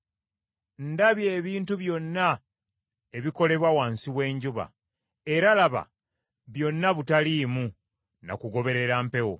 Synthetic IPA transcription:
ndaβje̞ːβiːntuβjo̞nːa | e̞βiko̞le̞βwawaːnsiwe̞ːɲɟuβa̰ | e̞ɾalaβa̰ | βjo̞nːaβutaliːmu | na̰kuɡo̞βe̞ɾe̞ɾaːmpe̞wo̰

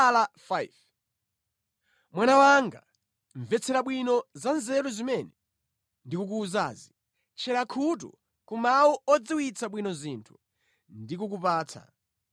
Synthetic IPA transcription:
lafajv | mwanawaŋɡa | ɱvɛt͡sʰɛɾaɓwinɔzanzɛɾuzimɛnɛ | ndikuk̬uːzaːzi | t͡ʃʰɛɾakʰutṵ | kumawɔɔd͡ziwit͡sʰaɓwinɔzintʰu̥ | ndikuk̬upaːt͡sʰa̰

